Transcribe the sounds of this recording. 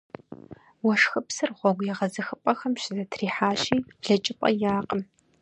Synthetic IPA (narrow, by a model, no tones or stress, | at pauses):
wɔʂxɨpsɨrʁʷɔɡʷjɛʁɐzɨxɨpʼɐxɐmɕɪzɐtʰriːħaːɕʼiːɮɐt͡ʃʼɪpʼɐ̰jaːqʼəm